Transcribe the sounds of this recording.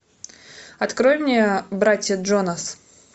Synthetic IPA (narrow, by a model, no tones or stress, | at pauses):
ɐt̪kɾojmnʲejbɾatʲjədʐonas